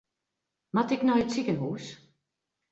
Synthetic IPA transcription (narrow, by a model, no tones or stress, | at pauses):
matɪknɔjətsikənɦuːs